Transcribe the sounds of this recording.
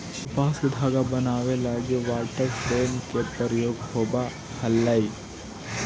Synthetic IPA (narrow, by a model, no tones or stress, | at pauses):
upaːskɐd̪ʱaːɡɐbɐnaːʋelaːɡeʋaːlʈɐɾpeːnkːepːɐɾɐjoːɡɦoːba | hɐlːɐj